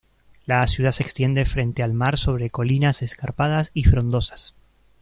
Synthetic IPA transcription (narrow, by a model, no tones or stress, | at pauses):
lasjuð̞aseːkst̪je̞nd̪e̞fɾe̞nt̪e̞almaɾso̞β̞ɾe̞ko̞linase̞skaɾpaðasifɾo̞nd̪o̞sḁs